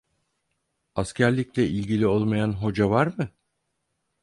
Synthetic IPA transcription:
ascʰæɾlʲiclʲɛʔilʲɟilʲio̞lˠmajanɦo̞d͡ʒavaɾmɯ

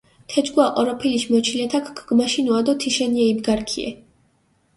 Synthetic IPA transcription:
t̪ʰɛd͡ʒɡwaqʼɔɾɔpʰiliʃmɔt͡ʃʰilɛt̪ʰakʰɡʰɡmaʃinuad̪ɔt̪ʰiʃɛniɛibɡaɾkʰiɛ̰

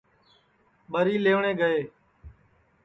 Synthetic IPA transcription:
ɓəɾiːleːʋɳeːɡəeː

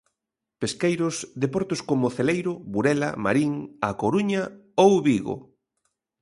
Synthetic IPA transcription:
peskejɾʊsðepɔɾt̪oskomʊθelejɾʊβuɾɛlɐ̰ma̰ɾiŋakoɾuɲaowβiɣo̰

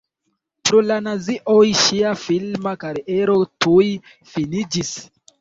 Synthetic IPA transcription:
pɾolanaziʔojʃiafilmakaɾeʔeɾotuj | finid͡ʒis

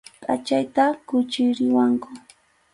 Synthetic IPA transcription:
pʼat͡ʃajt̪akʊt͡ʃɪjɾɪwaŋkʊ

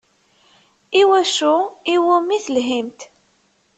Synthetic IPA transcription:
iwæʃuiwʊmiθəlɦimt̪

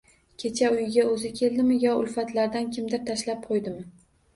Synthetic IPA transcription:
kʲʰe̞t͡ʃʰaʊjɪɡʲaɵzɪkʲʰe̞ld̪ɪmɪjɒʊ̰lfat̪laɾd̪ankʲʰɪmd̪ɪɾt̪ʰaʃlap̚qʰojd̪ɪmɪ

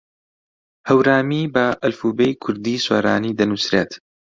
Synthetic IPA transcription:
hɐwɾaːmiːbɐʔɐlfuːbejkʰʊɾd̪iːsweːɾaːniːd̪ɐnusɾet̪

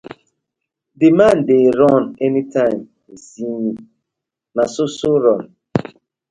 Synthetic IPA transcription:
dɪmãndeɾɔnɛnitʰãɪm | zini | nasʊsʊɾɔn

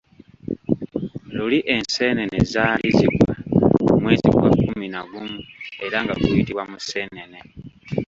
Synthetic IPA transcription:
luliʔe̞nse̞ːnenḛzaːliziɡwamumwe̞ːzḭɡwa̰kːuminaɡumue̞ɾaŋɡa̰tujitiβwamuse̞ːnene̞

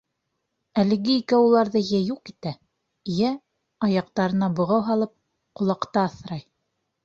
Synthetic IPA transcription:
ælɘ̆ɡɘikæulˠɑɾðɤjæjuq̚it̪æ | jæ | ɑjɑq̚t̪ɑɾɤ̆nɑbŏʁɑwɦɑlˠɤp̚ | qŏlˠɑqt̪ɑːθɾɑj

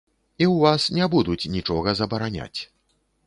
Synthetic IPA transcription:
iwvasnʲɛbud̪ut͡sʲnʲit͡ʂɔɣɐzɐbɐɾanʲa̰t͡sʲ

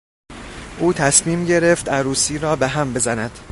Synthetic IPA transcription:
ʔuːt̪ʰæsmiːmɟe̞ɾe̞ft̪æɾuːsiːɾɒːbeɦæmbe̞zænæd̪̥

